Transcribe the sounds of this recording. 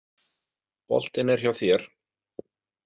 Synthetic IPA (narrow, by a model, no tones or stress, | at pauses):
pɔ̰l̥t̪ɪnɛɾ̥çawθjɛɾ̥